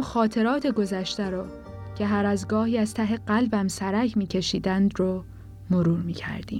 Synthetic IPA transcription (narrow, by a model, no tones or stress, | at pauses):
mxɒːt̪ʰe̞ɾɒːt̪ʰeɡo̞zæʃt̪æɾɒː | cʰe̞ɦæɾæzɡɒːhiːæz̥t̪ʰæɦeɢælbæmsæɾæcʰmiːcʰe̞ʃiːd̪ænd̪ɾo | moɾuːɾmiːcʰæ̰ɾd̪ḭːm